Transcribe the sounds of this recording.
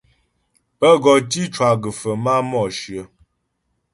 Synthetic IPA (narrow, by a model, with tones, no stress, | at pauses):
pə˦ɡɔ˨ti˦t͡ʃwa˨ɡə˨fə˨ma˦mɔ˦˨ʃɰə˨˦